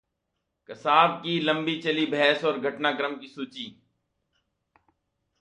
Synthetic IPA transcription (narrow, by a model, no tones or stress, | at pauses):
kəsaːb̚kiːlə̃mbiːt͡ʃəliːbʱɛːsɔːɾɡʱəʈnaːɡɾəmkiːsuːt͡ʃiː